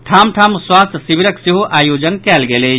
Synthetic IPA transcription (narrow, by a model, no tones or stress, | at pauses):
ʈʰaːmʈʰaːmswaːst̪ʰsiʋiɾəksiɦuʔaːjoːd͡ʒənkɛːlɡele